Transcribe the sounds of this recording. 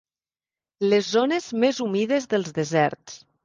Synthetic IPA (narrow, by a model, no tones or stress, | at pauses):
lezːonezmezumiðezðəlˠzðezɛɾt̪s